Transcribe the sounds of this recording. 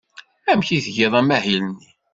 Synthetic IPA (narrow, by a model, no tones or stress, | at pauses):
æmçiθʝeðˤæmæhilənːi